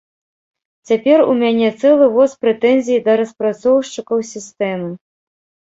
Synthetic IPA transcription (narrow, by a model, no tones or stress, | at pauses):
t͡sʲapʲɛrṵmʲanʲɛt̪sɛlˠɨvɔspɾɛt̪ɛnʲzʲijid̪ɐɾɐspɾat̪sɔwʂt͡ʂɨkɐwsʲist̪ɛmɨ